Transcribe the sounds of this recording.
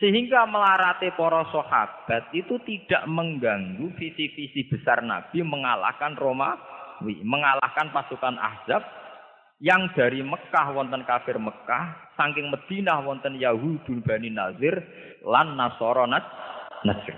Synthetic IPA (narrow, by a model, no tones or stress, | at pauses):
səɦiŋɡaməlaɾat̪epɔɾɔsoha̰b̥a̤t̪̚it̪ut̪iɖ̥a̤ʔməŋɡaŋɡufisifisib̥ə̤sarna̰b̥i̤məŋala̰hkanromawiməŋala̰hkanpasukanʔa̰hz̥ap̚ | jaŋd̪̥ä̤ɾiməkahwɔnt̪ənkafɪrməkahsaŋkɪŋməd̪̥i̤nahwɔnt̪ənjaɦud̪̥ṳnb̥a̤ninazɪr | lanːasɔɾɔnat͡ʃnəd͡ʒr